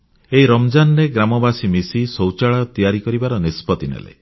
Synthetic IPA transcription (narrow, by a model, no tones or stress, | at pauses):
eiɾɔmd͡ʒanɔɾeɡɾamɔbasimisisowt͡ʃaɭaɾɔt̪ijaɾikɔɾibaɾɔnispɔt̪inḛlḛ